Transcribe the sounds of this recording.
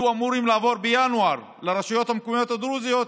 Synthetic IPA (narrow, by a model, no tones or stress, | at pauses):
uamuɾimlaːvo̞ɾbejanuaɾ | leɾaʃajo̞t̪hamkomijo̞t̪ad̪ɾuzijo̞t̪